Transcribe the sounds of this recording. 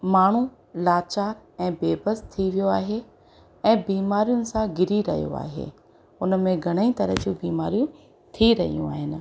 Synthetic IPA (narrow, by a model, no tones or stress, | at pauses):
maːɳ̤u | laːt͡ɕaːɾɛ̃ːbeːbəst̪ʰiʋijoaːɦe | ɛ̃ːbiːmaːɾijʊnɪ̆sãɡɪɾiɾɐ̰ɦijo̰a̰ːɦḛː | ʊnəmẽɡʱɐɽ̃əit̪ɐɾə̰ɦd͡ʑuːbiːmaːɾijũ | t̪ʰiɾɐɦḭjṵ̃aːɦɪnɪ̆